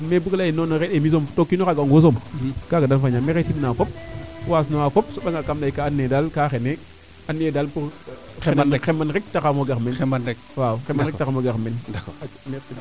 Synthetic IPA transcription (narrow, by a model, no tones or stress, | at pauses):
mebuklajinonoɾeɗemis̬omtokːinokaɡaŋɡos̬omkaɡadalfaɲameɣetimnafop̚swas̬nowafop̚soɓaŋakamlaikaːnːedalkaxene | anːedalpuɾ | xemanɾek̚takamoɡakmen | wauxemaɾetakamoɡamenmɾsi